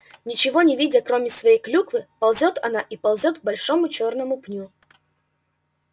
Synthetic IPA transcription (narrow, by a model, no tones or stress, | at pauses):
nʲɪt͡ɕɪvo̞nʲɪvʲidʲəkɾo̞mʲɪsvɐjejklʲukvɨpɐlˠzʲo̞t̪ɐ̰naʔipɐlˠzʲo̞t̪̚ɡ̚bɐlʲʂo̞mʊt͡ɕo̞rnəmʊpnʲu